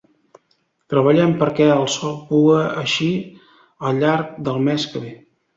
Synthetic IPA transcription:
t̪ɾəβəʎɛmpəɾkɛəlˠsɔlˠpuəəʃi | əlˠʎaɾk̚d̪əlˠmɛskəβe

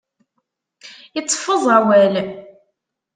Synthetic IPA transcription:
jət͡sːfːəðˤæwæl

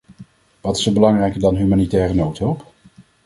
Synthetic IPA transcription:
ʋɑtɪ̥səbəlɑŋrɛjkəɹdɑnɦymaːnitɛːrənowtɦɵlˠp

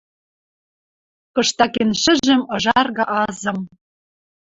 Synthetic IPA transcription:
kɤ̆ʃt̪ɑkenʃɘ̆ʒɘ̆mɤ̆ʒɑrɣɑ̆ʔɑzɤ̆m

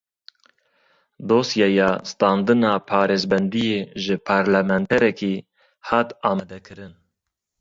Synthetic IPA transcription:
d̪oːsjɑjɑːst̪ɑːnd̪ɨnɑːpʰɑːɾeːzbɛnd̪ijeːʒɨpʰɑːɾlɛmɛnt̪ʰɛɾɛkiː | hɑːt̪ɑːmɛd̪ɛkʰɨɾɨn

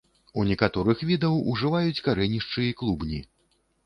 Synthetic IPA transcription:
unʲɛkat̪ɔɾɨxvʲid̪ɐwuʐɨvajut͡sʲkaɾɛnʲiʂt͡ʂɨjiklˠubnʲi

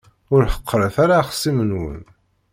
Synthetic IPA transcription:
ʊɾħə̥qːɾəθaɾaχə̥sːimənwə̰n

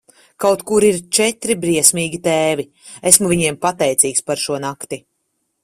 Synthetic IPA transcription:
kawt̪kuɾiɾt͡ʃɛt̪ɾibɾiɛsmiːɡʲit̪eːvi | esmuvʲiɲiɛmpat̪ɛjt̪siːkspaɾʃuɔnakt̪i

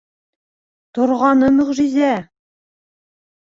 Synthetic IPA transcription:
t̪ŏɾʁɑnɤmɵ̆ʁʒizæ

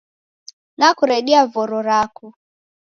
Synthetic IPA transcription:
nakuɾɛɗiavɔɾɔɾaku

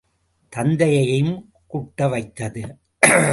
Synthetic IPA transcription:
t̪ɐnd̪ɐjɐjɐjɯm | kuʈːɐʋɐɪt̪ːɐðɯ

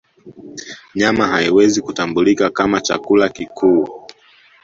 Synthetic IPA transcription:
ɲamaɦaiwɛzikutambulikakamat͡ʃa̰kulakikʰu

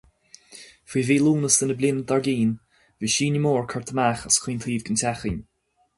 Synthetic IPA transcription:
fiːviːlˠuːnəsd̪ənəblʲɪnd̪aɹɡiːn | viːʃiːnəmoːɹkʰəɹt̪ʰəmaxaskʰwiːnt̪ʰiːvɡəntʰaxən

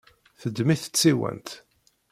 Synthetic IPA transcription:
θəd̪ːmiθə̥t͡sːiwæ̰nt̪

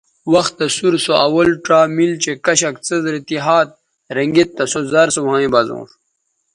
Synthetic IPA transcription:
wɐxt̪ːɐsuɾsoʔɐwɐlʈ͡ʂaːmilt͡ɕekɐɕɐkt͡səzɾit̪iɦaːt̪̚ | ɾɐŋɡet̪ːɐsozɐɾsowhãːĩbɐzõ̰ːʂ

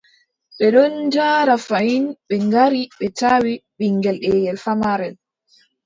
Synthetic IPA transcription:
ɓɛɗɔnd͡ʒaːɾafajinɓɛŋɡaɾiɓɛtawiɓiŋɡɛlɗɛːjɛlfamaɾɛn

